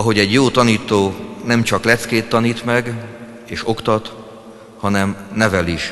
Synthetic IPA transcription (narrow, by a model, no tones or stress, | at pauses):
ɒɦo̞ɟɛɟjoːt̪ɒniːt̪oːnɛmt͡ʃɒklɛt̪skeːt̪ːɒniːt̪mɛɡ | eːʃo̞kt̪ɒt̪ | hɒnɛmnɛvɛliʃ